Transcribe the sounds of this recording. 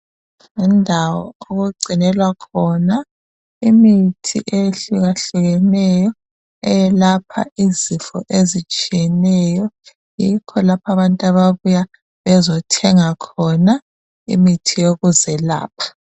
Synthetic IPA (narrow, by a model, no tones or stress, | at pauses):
ŋɛndʱawɔ̰oɣuɡ͡ǀʱinɛlwakʰɔna | imitʰḭʔeɬuɣaɬuɣɛnɛjɔ | ɛjɛlapʰa̰ʔizifɔ̰ʔezit͡ʃʼijɛnɛjɔ | jikʰɔlapʰaβantʼaβaβuja | βɛzɔtʰɛŋakʰɔna | ḭmitʰijoɣuzɛla̰ːp̚ʰḁ